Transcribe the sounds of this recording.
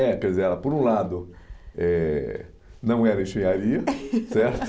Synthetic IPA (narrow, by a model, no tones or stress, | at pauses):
ɛkɛd̪izeɛlɐpoɾũlad̪ʊ | ɛ | nɐ̃w̃ɛɾɐẽʃẽjaɾiɐsɛɾt̪ʊ